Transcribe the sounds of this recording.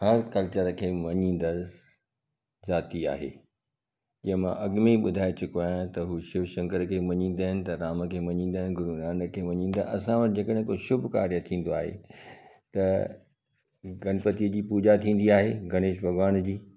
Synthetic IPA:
hɐɾkɐlt͡ɕəɾəkʰeːʋɐɲĩːn̆d̪ə | zaːt̪ia̰ːɦḛː | ʄɐ̃ɦə̃mãʔɐɡmiɓʊd̪ʱaːet͡ɕʊkoaːj̃t̪ɐɦuːʃɪʋʃɐ̃ŋkəɾkʰeːʋɐɲĩːn̆d̪aːɦɪnɪ̆t̪ɐɾaːmə̆kʰeːʋɐɲĩːn̆d̪aːɦɪnɪ̆ɡʊɾunãːɳɖəkʰeːʋɐɲĩːn̆d̪aʔɐsãʋɐʈɪ̆d͡ʑekəɗɪ̃ɦkoʃʊbʱka̰ːɾjət̪ʰĩːn̆d̪oaːɦḛ | t̪ɐ | ɡɐnpət̪iəd͡ʑiːpuːd͡ʑat̪ʰĩːn̆d̪iaːɦḛːɡɐneːʃbʱɐɡʋaːnd͡ʑiː

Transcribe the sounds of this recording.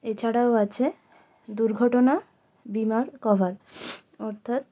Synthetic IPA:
et͡ɕʰaɽaoat͡ɕʰe | d̪uɾɡʱɔʈona | bimaɾkɔbʱaɾ | ɔɾt̪ʰat̪̚

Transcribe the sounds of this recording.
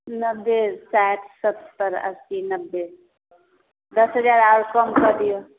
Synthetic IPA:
nəbːesajʈsəbst̪əɾə̰sinəbːe | d̪əsɦəd͡ʒaːɾaɾkəmkəd̪ijo

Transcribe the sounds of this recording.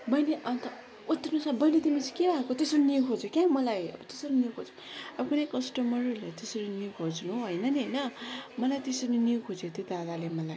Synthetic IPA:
bʌjneʔʌnt̪ʌ | ut̪ːʌnusabʌjnet̪imit͡sʰi̥keɾaɦekot̪esʌɾiniukʰod͡zokʲãmʌlajʌ̰bʌt̪esʌɾinijukʰod͡zu̥ | ʌbʌkunejkʌsʈʌmʌrulet̪esʌɾiniukʰod͡znuɦojnʌniɦʌjnʌmʌlajt̪esʌɾiniukʰod͡zet̪jod̪ad̪alemʌlaj

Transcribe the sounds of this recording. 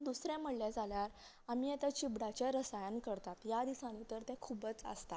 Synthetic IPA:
d̪usɾjãm̤əɽljad͡zʱaljaɾ | amiːɛt̪at͡ɕibɽat͡ɕjaɾəsajənkəɾt̪at̪jad̪isañit̪əɾt̪ɛ̃kʰubət͡sə̰st̪a

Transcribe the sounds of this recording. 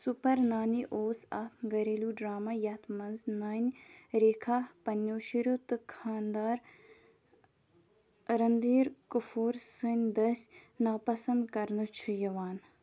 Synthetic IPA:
supɐɾnaːniʔoːsɐt̪ɡɐɾeːluɖɾaːmaːjɐt̪ʰmɐnznaːnʲɾeːkʰaːpɐnjoːʃiɾut̪ɨkʰaːnd̪aːɾ | ɾɐnd̪iːɾkufuːɾsɨnʲd̪ɐsʲnaːpɐsɐnd̪kɐɾnɨt͡ʃʰujɐʋaːn

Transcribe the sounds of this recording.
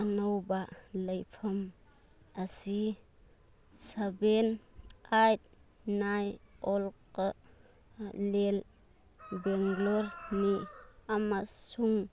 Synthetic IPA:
anawbaləjpʰɐm | asi | sabenajt̚ | najɔlkə | lel | beŋɡloɾniamasuŋ

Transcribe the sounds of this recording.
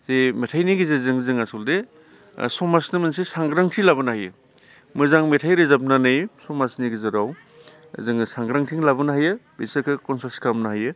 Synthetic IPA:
zemetʰajniɡizɯzɯŋzɯŋasuldḛ | sɔmasnɯmɯnsesaŋɡɾaŋtʰilabɯnahajɯ̰ | mɯzaŋmetʰajɾezap̚nanɯjsɔmasniɡizɯɾaw̰ | zɯŋsaŋɡɾaŋtʰiŋlabɯnaɦajɯbisekʰɯkɔnsaɾskamnaɦajɯ

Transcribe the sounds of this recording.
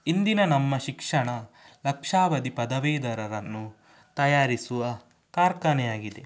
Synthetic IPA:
ind̪inɐnɐmːɐʃikʂɐɳɐlɐkʂaːʋɐd̪ipɐd̪ɐʋeːd̪ɐɾɐɾɐnːu | t̪ɐjaːɾisuʋɐ | kaːɾkɐnɛjaːɡid̪e

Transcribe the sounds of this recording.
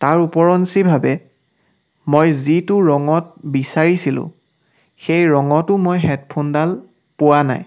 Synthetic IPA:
taɹupɔɹɔnsibʱabɛ | mojzitʊɹɔŋɔt̚bisaɹisilʊ̰̃ | xejɹɔŋɔtʊmojɦɛt̚pʰundal | pʊwana̰j

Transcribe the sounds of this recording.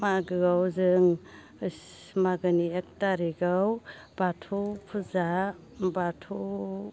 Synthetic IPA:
maɡɯɡawzɯŋ | s | maɡɯniek̚taɾiɡaw | b̥atʰupʰuza | batʰu

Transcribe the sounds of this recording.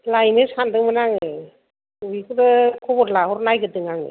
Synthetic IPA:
lajnɯsandɯŋmɯnaŋɯ | uikɯdɯkʰɔbɔtlahɔɾnajɡɯdɯŋaŋɯ̰

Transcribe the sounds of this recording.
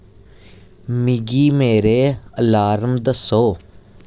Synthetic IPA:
miɡiːmeːɾeːəlaːɾəmd̪əsoː

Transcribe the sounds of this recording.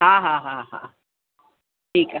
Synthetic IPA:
ɦãːɦãɦãɦã̰ | ʈʰiːk

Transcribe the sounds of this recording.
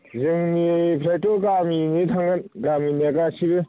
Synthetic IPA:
zɯŋnipʰɾajtoɡaminitʰaŋɡɯnɡaminakasibɯ

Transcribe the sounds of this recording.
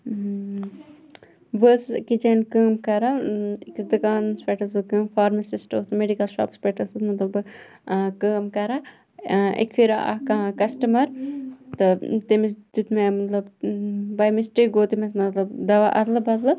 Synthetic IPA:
ʋəskid͡ʒɐnkəːmkɐɾɐiksd̪ɨkaːnspeʈɐsɨkəːmfaːɾmɐsisʈoːsmeɖikɐlʃa̰ːpspeːʈɐsɨmɐt̪lɐbɨ | kəːmkɐɾa | ḛkfʰiɾʔɐ̰kɐkɐsʈɐmɐɾt̪ɨt̪imist̪ut̪memɐt̪lɐbbɐjmisʈik̚ɡoːt̪imesmɐt̪lɐbd̪ɐʋaʔɐt̪lɐbɐt̪lɐ

